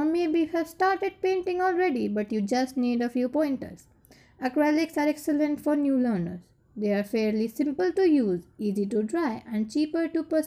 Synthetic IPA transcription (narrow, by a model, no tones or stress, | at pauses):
mebihɛʋsʈaːɾʈeɖ̚pẽːɳʈɪ̃ŋɔlɾeɖibʌʈjud͡ʒʌsʈniːɖəfjuːpɔ̃ɪ̃ɳʈə̰ɾs | əkɾælɪksaɾɛksəlẽɳʈfɔɾnjuːləːnə̰ɾz | d̪eaɾfeɾlisɪ̃mpəlʈujuːziːziʈuɖɾaɪʔɛ̃ɳɖ̚t͡ʃiːpəɾʈupəs